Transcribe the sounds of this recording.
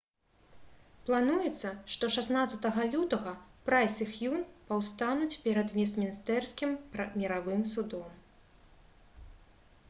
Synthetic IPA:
plˠanujɛt̪sːɐʂt̪ɔʂasnat̪sɐt̪ɐɣɐlʲut̪ɐɣɐpɾajsʲɨxjunpɐwst̪anut͡sʲpʲɛɾɐd̪mʲɛsmʲinst̪ɛrskʲimmʲɛɾavɨmsud̪ɔm

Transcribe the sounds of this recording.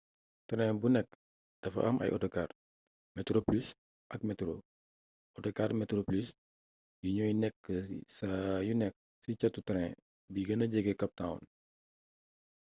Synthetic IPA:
tɐɾɛ̃bunɛkː | d̥ɐfɐ̰ʔɐ̰mʔɐ̰jʔɔ̰tɔkaːr | mɛtɾoplys | ʔɐkmɛtɾo | ɔtɔkaːɾmɛtɾoplys | biɲɔːjnɛkːəsɐjunɛk̚ | sit͡ʃɐtːutɐɾɛ̃ | biɡɐnɐɟɛɡɛkɐp̚taṵn

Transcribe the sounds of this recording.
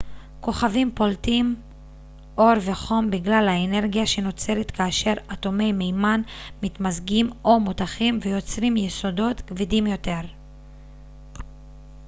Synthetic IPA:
ko̞χavimpo̞ltim | ʔo̞ʁve̞χo̞mbiɡlalhaene̞ʁɡijaʃe̞no̞t͡se̞letkaːʃe̞ʁato̞me̞jme̞jmanmit̪mazɡimo̞mutaχimvejo̞t͡sʁimjeso̞do̞t̪kvidimjo̞te̞ʁ

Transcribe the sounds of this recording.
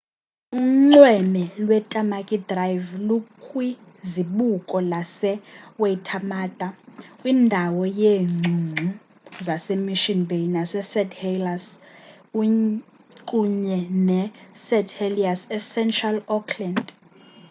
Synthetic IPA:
uŋ͡ǀwɛmɛlwɛtʼamakʼidrajvlukʼwi | ziɓukʼɔlasɛwetʰamaːtʼakʼwiːndʱawɔjeːŋ͡ǀʱuŋ͡ǀʱu | zasemiʃinbejnasɛsɛdʰhelas | u | kʼuɲɛnɛsɛtʰheliasɛsɛntʰʼralɔkʰlɛnd

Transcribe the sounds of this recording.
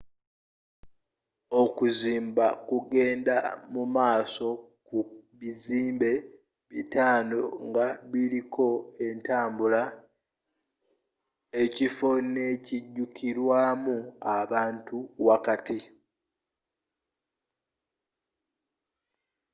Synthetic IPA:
o̞kuziːmba̰kuɡe̞ːnda̰mumaːso̞ | kuβiziːmbe̞ | βitaːno̞ŋɡaβilikʰo̞e̞ntaːmbula | e̞cifo̞ne̞ciɟːukʰiɾwaːmuaβaːntuwakati

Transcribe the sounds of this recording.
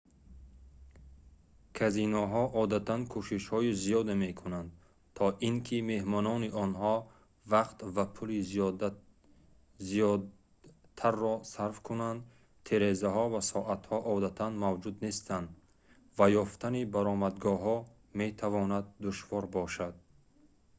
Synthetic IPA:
kʰazinɔɦɔʔɔd̪at̪ʰankʰuʃiʃhɔizijɔd̪emekʰunand̪̚ | t̪ʰɔʔiŋkʰime̞hmɔnɔniʔɔnhɔ | vaqt̪vapʰulizijd̪ | zijɔ | t̪ʰaɾːɔsaɾfkʰunand̪ | t̪ʰeɾezaɦɔvasɔʔat̪hɔʔɔd̪at̪ʰanmavd͡ʒud̪ne̞st̪ʰand̪ | vajɔft̪ʰanibaɾɔmad̪ɡɔɦɔ | me̞t̪ʰavɔnad̪ːuʃvɔɾbɔʃad̪̥̚

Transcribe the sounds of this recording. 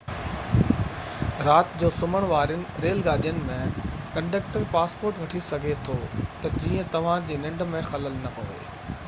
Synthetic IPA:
ɾaːt̪d͡ʑoːsʊməɽ̃ʋaːɾjʊnɪ̆ɾeːlɡaːɗijənɪ̆mẽkɐ̃ɳɖeːkʈəɾpaːspoːɾʈʋɐʈʰisɐɡʱet̪ʰot̪ɐd͡ʑiːə̃t̪ɐʋ̤ãd͡ʑiːnɪ̃ɳɖmẽxɐləlnɐɦoːʋḛː

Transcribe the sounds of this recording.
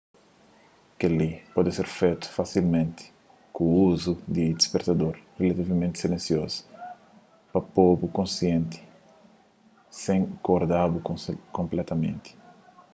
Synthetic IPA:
kelipɔd̪ɪseɾfejt̪u̥fasilmẽnt̪ɪ̥ | kũuzud̪id̪ispeɾt̪ad̪oɾrelɐt̪ivɐmẽnt̪ɪ̥silẽnsiɔzu̥ | pɐpobukõsjẽnt̪ɪ̥ | sẽŋkoɾd̪abukkõmplɛt̪ɐmḛ̃nt̪ɪ̥

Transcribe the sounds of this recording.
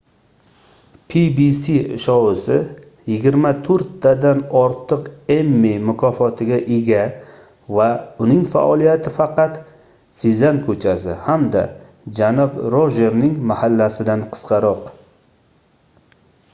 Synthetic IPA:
pʰibisiʃɒwɪsɪ | jɪɡʲɪɾmat̪ʰɵɾt̪ːad̪anɒɾt̪ʰɨqe̞mːemʊkʰɒfɒt̪ʰɪɡʲaʔeɡʲa | vaʊnɪŋfa̰ʔɒlˠijat̪ʰɪfɑqɑt̪ | sɪzankʰɵt͡ʃʰasɪ̰hamd̪a̰ | d͡ʒanɒbɾoʒe̞ɾnɪŋmahalːasɪd̪anqʰɨ̥sqɑɾɒq

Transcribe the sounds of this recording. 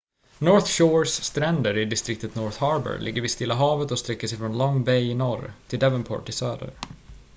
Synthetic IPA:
nɔɾθʃɔɹsːt̪ɾɛnd̪əɾɪd̪ɪst̪ɾɪk̚t̪ət̪nɔɾθhɑɾbə̰ɾlʔɪ̰ɡːəɾvɪst̪ɪlːaɦɑːvət̪ɔst̪ɾɛkːəʂɛjfɾɔnlɔŋːbɛjɪnɔɾt̪ʰɪld̪ɛvənpʰɔ̰ːʈɪsøːd̪ə̰ɾ

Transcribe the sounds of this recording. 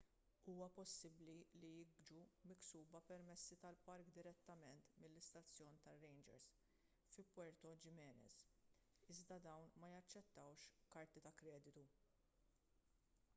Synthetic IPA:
uːwɐpɔsːɪblilijɪɡd͡ʒumɪksuːbɐpɛɾmɛsːit̪ɐlpɐɾkd̪ɪɾɛt̪ːɐmɛnt̪mɪlːɪst̪ɐt͡sːjɔːnt̪ɐrːɛjnd͡ʒɛ̰ɾs | fɪlpːɔɾt̪ɔd͡ʒɪmɛːnɛ̰s | ɪzd̪ɐd̪ɐwnmɐjɐt͡ʃːɛt̪ːɐwʃkɐɾt̪it̪ɐkɾɛːd̪ɪt̪u

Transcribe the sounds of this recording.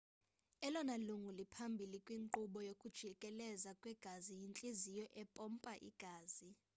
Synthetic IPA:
ɛlɔnaluŋulipʰambʱilikʼwiŋǃuɓɔjokʼud̥ʒ̥ʱikʼɛlɛzakʼwɛɡ̥ʱazijint͡ɬʼizijɔʔɛpʼɔmpʼaʔḭɡ̥ʱaːz̥i

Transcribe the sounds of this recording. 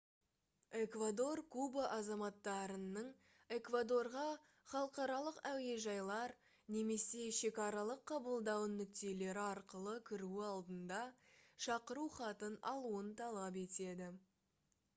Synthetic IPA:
e̞kvad̪o̞rkʰubaʔɑzɑmɑt̪ːɑɾənːəɴ | e̞kvad̪o̞rʁɑ | χɑlˠəqɑɾɑlˠəqæwe̞ʒɑjlˠɑɾ | ne̞me̞se̞ʃe̞kɑɾɑlˠəqʰːɑbəlˠd̪ɑwənːʏk̚t̪e̞le̞ɾɪɑɾqəlˠəkʲʰɪɾuɪɑlˠd̪ənd̪ɑʃɑqəɾuχɑt̪ənɑ̰lˠuənt̪ʰɑlˠɑp̬e̞t̪e̞d̪ɪ

